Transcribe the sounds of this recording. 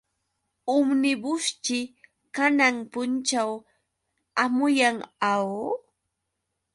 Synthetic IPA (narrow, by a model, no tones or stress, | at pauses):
ʊmnɪbʊst͡ʃɪ | kanaŋpʊnt͡ʃaw | amʊjaŋaw